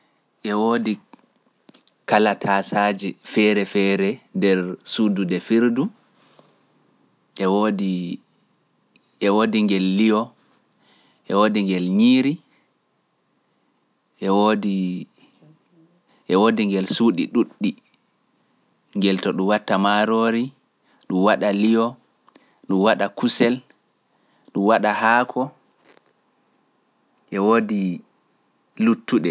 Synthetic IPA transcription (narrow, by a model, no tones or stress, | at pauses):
ʔɛwoːdi | kalatʰasad͡ʒifɛɾɛfɛɾɛndɛɾsududɛfiɾdu | ʔɛwodi | ɛwoːdiŋɡɛlːiɔ | ʔɛ̰woːdiŋɡɛlɲiːɾi | ʔɛwodi | ʔɛwoːdiŋɡɛlsuːɗḭɗuɗːi | ŋɡɛltɔɗumwatːamaɾoɾi | ɗumwaɗalijɔ | ɗumwaɗakusɛl | ɗumwaɗahaːkʰɔ | ʔɛwodi | lutːuɗɛ